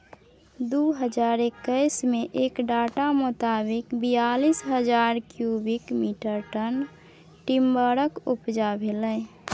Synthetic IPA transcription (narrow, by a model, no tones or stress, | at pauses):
d̪uɦəd͡ʒaːɾekːəɪsmeʔekɖaːʈamʊt̪abɪkbijalisɦəd͡ʒaːɾkjubikmiʈəɾʈən | ʈimbəɾəkupd͡ʒabʱelə